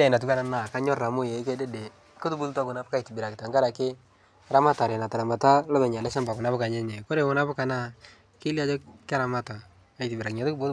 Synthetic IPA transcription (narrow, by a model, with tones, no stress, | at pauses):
a˦ɪ˨na˨tu˦ka˦na˦na˨ka˦ɲɔ˦ra˨mʊ˦je˨ɪ˦kɛ˦de˦de˨ | kʊ˦tu˦bu˦tu˦ta˦kʊ˨na˨˦pka˦i˨tɪ˨bɪ˨ɾa˨kɪ˨ta˨ŋɡa˦ɾa˨kɪ˦ | ɾa˦ma˦ta˨ɾɛ˨na˨ta˨a˨mba˨ta˦lɔ˦bɛ˨ɲa˨lɛ˦ʃa˦mba˨kʊ˨na˦bʊ˦ka˨ɲɛ˦ɲɛ˨ko˦ɾe˨wʊ˦na˦pʊ˦ka˨na˦ | kɪ˦li˦a˦d͡ʒɔ˦kɪ˦ɾa˨ma˦ta˨ | a˨˦i˨tɪ˨bɪ˨ɾa˨kɪ˨ɲa˨tʊ˦kbo˦